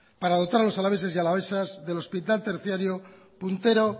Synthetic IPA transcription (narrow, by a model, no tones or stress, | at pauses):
paɾaðo̞t̪aɾalo̞salaβes̬e̞sjialaβ̞esazðe̞lo̞spit̪alt̪eɾθjaɾjo | punt̪e̞ɾo̞